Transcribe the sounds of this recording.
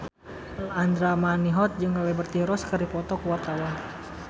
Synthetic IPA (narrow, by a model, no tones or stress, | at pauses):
land̪ɾamaniɦɔt̪̚d͡ʒɨŋawɛbərt̪iɾɔskərdipɔt̪ɔkuwat̪awa